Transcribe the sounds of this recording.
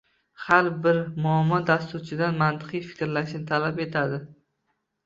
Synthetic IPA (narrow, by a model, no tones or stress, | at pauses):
halbɪɾmʊamːɒd̪ast̪ʊɾt͡ʃʰɪd̪anmant̪ʰɨ̥qɨjfɪ̥kʲɾlaʃnɪt̪ʰalape̞t̪ʰad̪ɪ